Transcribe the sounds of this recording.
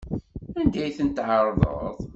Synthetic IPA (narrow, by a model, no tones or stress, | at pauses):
ænd̪æjθənt̪ʕəɾˤðˤə̰ðˤ